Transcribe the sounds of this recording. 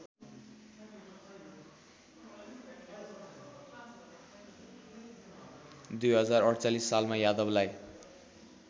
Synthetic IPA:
d̪ujɦʌd͡zarʌɽt͡salisːalmajad̪ʌblaj

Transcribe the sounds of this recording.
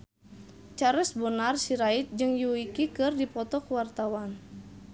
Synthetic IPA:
t͡ʃaɾɛsbɔnarsiɾait̪̚d͡ʒɨŋjuikikɨrdipɔt̪ɔkuwart̪awan

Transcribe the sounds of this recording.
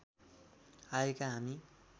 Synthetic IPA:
aekaɦami

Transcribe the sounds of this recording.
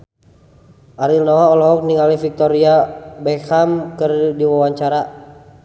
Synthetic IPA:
ʔaɾilnɔwaɔlɔɦɔk̚niŋɡalifik̚t̪ɔɾiabɛkamkərdiwawaɲt͡ʃaɾa

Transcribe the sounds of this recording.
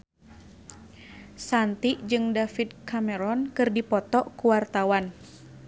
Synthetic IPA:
sant̪iʔd͡ʒɨŋdafid̪̚kamɛɾɔnkɨrdipɔt̪ɔʔkuwart̪awan

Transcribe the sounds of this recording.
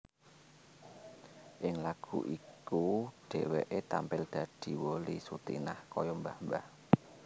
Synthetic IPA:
ʔɪŋlaɡ̥uʔikuɖ̥e̤weʔet̪ampɪld̪̥ä̤d̪̥i̤wolisut̪ḭnahkɔjɔmbambah

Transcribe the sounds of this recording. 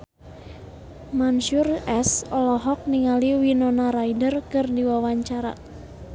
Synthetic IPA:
manʃurɛsɔlɔɦɔk̚niŋaliwinɔnaɾaidərkɨrdiwawaɲt͡ʃaɾa̰

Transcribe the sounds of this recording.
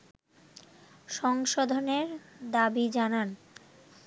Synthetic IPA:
ʃɔŋʃod̪ʱoneɾd̪abid͡ʑanan

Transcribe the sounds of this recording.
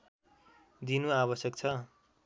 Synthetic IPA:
d̪inuaβʌsjʌk̚t͡sʰʌ

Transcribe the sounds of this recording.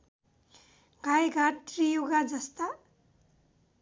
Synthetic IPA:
ɡajɡʱaʈrijuɡad͡zʌst̪a

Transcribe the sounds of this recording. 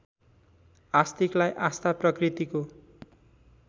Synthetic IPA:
ast̪iklajʔast̪aprʌkrit̪iko

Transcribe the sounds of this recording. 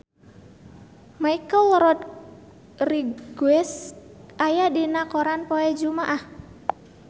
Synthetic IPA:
maikəlɾɔt̪ | riɡuɛsʔajadinakoɾanpoɛd͡ʒumaʔah

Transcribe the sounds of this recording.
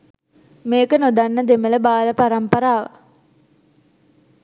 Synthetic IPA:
meːkənod̪anːəd̪emələbaːləpaɾampəɾaːʋə̰

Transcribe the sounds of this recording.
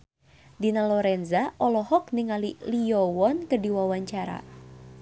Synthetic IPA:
dinalɔɾɛnzaɔlɔhɔk̚niŋalilijɔwɔnkədiwawaɲt͡ʃaɾa̰

